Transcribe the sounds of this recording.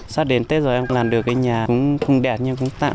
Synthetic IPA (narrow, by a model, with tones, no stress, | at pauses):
saː˧ɗe˨˦nt̪e˨˦zo˨˩ʔɛ˧mlaː˨˩mɗɨ˨˩ək̚ːaː˨˦jɲaː˨˩kʊ̰˧˥ŋ͡mxə˧wŋ͡mɗɛ˨˩t̚ɲɨ˧ŋkʊ̰˧˥ŋ͡mt̪a̰ː˧˨